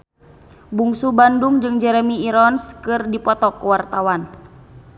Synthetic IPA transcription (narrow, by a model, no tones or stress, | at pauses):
buŋsubanduŋd͡ʒɨŋd͡ʒɛɾɛmiːɾɔnskɨrdipɔt̪ɔkuwart̪awan